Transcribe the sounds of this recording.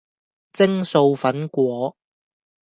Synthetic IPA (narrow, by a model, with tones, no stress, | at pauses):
t͡sɪ˥ŋso˧wfɐ˨˥nkʷɔː˨˥